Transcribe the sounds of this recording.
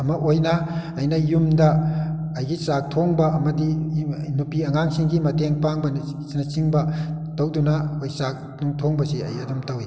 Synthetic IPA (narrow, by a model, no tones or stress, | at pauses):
ɐmɐʔojnɐː | jnɐjumdɐ | ɐjɡisak̚tʰoŋbɐɐmɐdinupiɐŋaŋsiŋɡimɐteŋpaŋbɐnsinɐsiŋbɐtɐwdunɐojsak̚ | nuŋtʰoŋbɐsiɐ̰jɐdumtɐwi